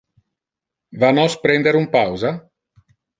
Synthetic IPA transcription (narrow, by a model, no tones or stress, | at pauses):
vanɔspɾɛnd̪eɾumpawza